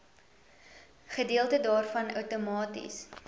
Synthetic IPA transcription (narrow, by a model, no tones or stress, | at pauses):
χədiəlˠtədɑːrfɐnœ̰wtomɑːtḭs